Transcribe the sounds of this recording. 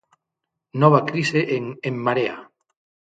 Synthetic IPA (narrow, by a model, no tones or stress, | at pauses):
nɔβ̞akɾiseʔeŋeŋmaɾea̰